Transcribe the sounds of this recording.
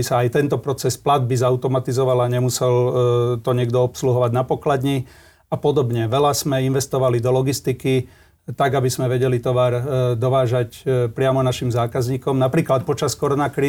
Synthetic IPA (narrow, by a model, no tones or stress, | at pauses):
isaːjt̪ɛnt̪ɔpɾɔt͡sɛsplad̪̚bizaʊt̪ɔmat̪izɔʋalaɲɛmusɛlt̪ɔɲɪɛɡd̪ɔɔpsluɦɔʋaɟnapɔklad̪ɲi | apɔd̪ɔbɲɛʋɛlaz̥mɛinʋɛst̪ɔʋalid̪ɔlɔɡist̪iki | t̪aɡabizmɛʋɛɟɛlit̪ɔʋaɾd̪ɔʋaːʒacpɾɪamɔnaʃimzaːkazɲiːkɔmnapɾiːklat̪̚pɔt͡ʃaskɔɾɔnakɾiː